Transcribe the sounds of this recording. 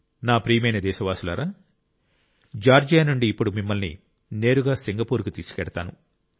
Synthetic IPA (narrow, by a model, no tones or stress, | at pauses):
naːpɾiːjmɐjnɐd̪ɛːʃɐʋaːsula̰ːɾaː | d͡ʒaːɾd͡ʒeːnuɳɖiːpːuɽumimːɐlnḭ | ne̞ːɾuɡaːsiŋɡɐpuːɾkut̪iːsu̥kɛɽɐt̪a̰ːnṵ